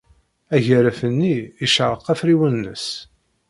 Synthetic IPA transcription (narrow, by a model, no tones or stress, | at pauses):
æʝæɾæfənːiiʃəʕəqːæfɾiwənːə̰s